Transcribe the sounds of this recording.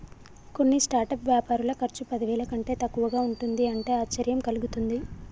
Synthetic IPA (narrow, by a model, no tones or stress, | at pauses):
ko̞nːisʈaːɾʈɐpʋjaːpaːɾulɐkɐɾt͡ʃupɐd̪iʋɛːlɐkɐɳʈe̞ːt̪ɐkːuʋɐɡaːuɳʈund̪iɐɳʈe̞ːaːt͡ʃːɐɾjɐmkɐluɡut̪und̪i